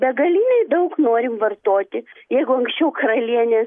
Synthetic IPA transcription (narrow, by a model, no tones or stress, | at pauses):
bʲɛɡɐlʲiːnʲɛɪd̪ɐʊknoːɾʲɪmʋɐrt̪oːt̪ʲɪjɛɪɡʊɐŋksʲt͡ʃʲɛʊkɾɐlʲiɛnʲeː